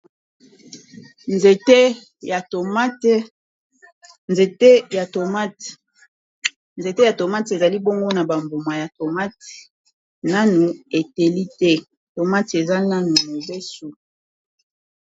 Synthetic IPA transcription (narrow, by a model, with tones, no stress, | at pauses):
nze˨te˦˨˦ | t | ne˨te˦ja˨to˨ma˦t | nze˨te˦ja˨to˨ma˦te˨za˨li˦bo˦ŋɡo˦na˨ba˨mbo˨ma˨ja˨to˨ma˦t | na˦nu˨e˨te˨li˦tɛ˦ | to˨ma˦te˨za˦na˦nu˨mo˨be˦su˨